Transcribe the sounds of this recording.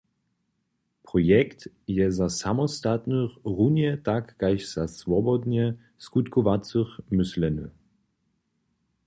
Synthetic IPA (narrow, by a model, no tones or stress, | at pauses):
pʁɔjɛkt̪ | jɛzasamɔst̪at̪nəχʁunɛt̪akːajʃz̥asvɔbɔd̪ɲɛ | skut̪kɔvat͡sɨxmɪslɛnə̰